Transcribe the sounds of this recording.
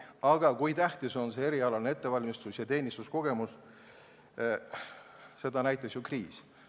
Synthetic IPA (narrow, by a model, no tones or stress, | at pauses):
ɑɡ̥ɑkujt̪æht̪iso̞nsee̞ɾiɑlɑlnee̞t̪ːe̞vɑlʲmist̪usjɑt̪e̞ːnʲist̪usko̞ɡ̥e̞mus | se̞d̪ɑnæjt̪ˑesjukriːs